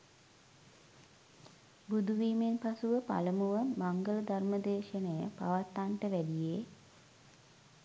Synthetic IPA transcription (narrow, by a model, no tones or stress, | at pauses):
bud̪uʋiːmenpasuʋəpa̰ləmuʋəmaŋɡələd̪ʱarməd̪eːʃənəjəpa̰ʋat̪ːaɳʈəʋæɖije